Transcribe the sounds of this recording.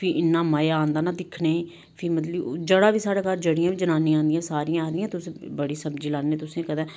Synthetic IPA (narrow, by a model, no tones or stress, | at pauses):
pʰɪʔɪnːaːmaːjaaːnd̪aːnaːd̪ɪkʰneːiː | pʰiːmət̪̬ləbd͡ʒəɽaːʋiːsaːɽaːkaːɾd͡ʒəɽijãːʋiːd͡ʒənãːniːãːnd̪ijãːsaːɾijãaːɾɪjãːt̪ʊsẽbəɽiːsəmd͡ʒiːlaːnːeːt̪ʊsẽːkəd̪ãː